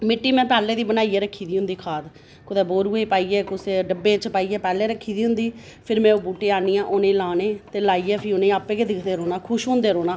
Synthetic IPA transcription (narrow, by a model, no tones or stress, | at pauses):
mɪʈːiːmɛ̃ːpɛːleːd̪iːbənaːiːeːɾəkʰːiːd̪iːɦʊ̃nd̪iːkʰaːd̪ | kʊd̪eːboːɾuːeːpaːiːɛːkʊseːɖəbːẽːt͡ʃpaːiːɛːpɛːleːɾəkʰːiːd̪iːɦʊnd̪iː | pʰɪɾmɛ̃ːoːbuːʈeːaːniːãːʔoːnẽːlaːneːt̪eːlaːiːɛːpʰiːʊnẽːaːpːeːkeːd̪ɪkʰd̪eːɾoːnaːkʰʊʃɦʊ̃nd̪eːɾoːnãː